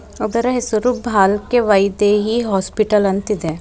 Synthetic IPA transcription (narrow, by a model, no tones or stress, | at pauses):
oɡɐɾɐɦesuɾubʱaːlkeʋɐjd̪eɦiɦɔːspiʈəlɐnt̪id̪e